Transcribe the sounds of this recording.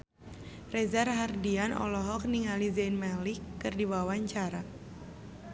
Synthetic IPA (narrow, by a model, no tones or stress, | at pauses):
rezarɦardianɔ̰lɔɦɔk̚niŋalizɛnmalikːɨrdibawaɲt͡ʃaɾa